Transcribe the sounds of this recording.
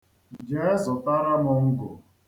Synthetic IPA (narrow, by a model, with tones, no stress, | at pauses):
d͡ʒe˦zɔ˨ta˦ɾa˦mʊ˨ŋ̩˦ɡʊ̰˨